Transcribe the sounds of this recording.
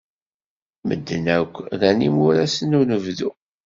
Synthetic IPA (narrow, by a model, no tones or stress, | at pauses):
mə̰d̪ːənækʷːðænimʊɾæsənunəvðu